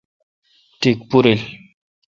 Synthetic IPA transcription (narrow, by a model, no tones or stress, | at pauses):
tikpuɾel